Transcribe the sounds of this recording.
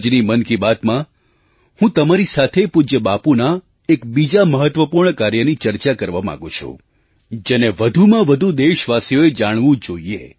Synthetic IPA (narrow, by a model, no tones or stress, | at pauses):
d͡ʒnimənkibat̪mã | hũt̪əmaɾisat̪ʰepud͡ʒəbapuna | ekbid͡ʒaməɦət̪ʋəpuɾɳəkaɾjənit͡ʃəɾt͡ʃakəɾʋama̰ɡũt͡ʃʰṵ̃ | d͡ʒeneʋəd̪ʱumãʋəd̪ʱud̪eʃʋasijoed͡ʒaɽ̃ʋũd͡ʒoiḛ